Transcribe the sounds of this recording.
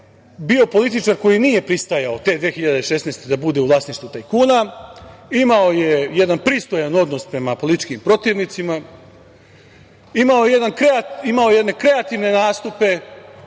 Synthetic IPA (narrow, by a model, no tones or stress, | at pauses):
bio̞po̞lit̪̬it͡ʃaɾko̞jinije̞pɾist̪ajao̞t̪e̞d̪ʋexiʎad̪eʃe̞snest̪e̞d̪abud̪e̞uʋlˠaːsniʃt̪vut̪ajkuːna | imao̞je̞je̞d̪anpɾist̪o̞jano̞d̪no̞spɾe̞mapo̞lit̪i̥t͡ʃkimpɾo̞t̪iːʋnit̪sima | imaoje̞je̞d̪ankɾeaimao̞jje̞d̪ne̞kɾe̞at̪iʋne̞naːst̪upe̞